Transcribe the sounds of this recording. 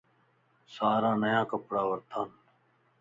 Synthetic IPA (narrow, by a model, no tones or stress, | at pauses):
saːɾãːnəjãːkəpɽaːʋəɾt̪ʰaːn